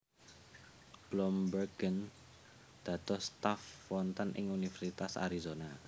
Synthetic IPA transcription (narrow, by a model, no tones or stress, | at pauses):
b̥lɔmbərɡ̥ən | d̪̥ä̤t̪ɔst̪afwɔnt̪ɔnʔɪ̰ŋunifɛrsit̪asa̰ɾizona